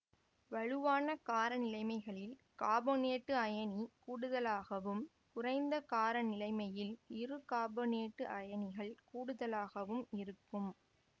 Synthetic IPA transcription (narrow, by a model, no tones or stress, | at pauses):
ʋɐɻɯʋaːnɐkaːɾɐnɪlɐɪmɐɪɣɐɭɪl | kaːbɐneːʈːɯɐjɐnikuːɽɯðɐlaːɣɐʋɯm | kʊrɐɪnd̪ɐkaːɾɐnɪlɐɪmɐjɪlɪrɯkaːbɐneːʈːɯʔɐjɐnɪɣɐɭkuːɽɯðɐlaːɣɐʋɯmɪɾɯkːɯm